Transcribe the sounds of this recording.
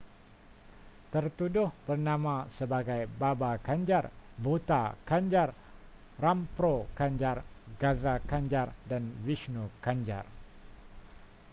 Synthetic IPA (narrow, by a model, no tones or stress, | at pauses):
t̪ərt̪udʊhbərnãmãsəbaɡajbabakaɲd͡ʒarbot̪akaɲd͡ʒar | rampɾokaɲd͡ʒarɡazakaɲd͡ʒardanviʃnokaɲd͡ʒa̰r